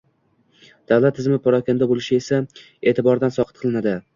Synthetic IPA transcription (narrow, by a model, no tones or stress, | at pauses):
d̪̥awlˠat̪ʰːɪzmɪpʰɒɾɒkʲand̪abolɪʃɪe̞sa | e̞ːt̪ʰɪbɒɾd̪ansɒqʰɨt̪̚qʰɨlˠɪnad̪ɪ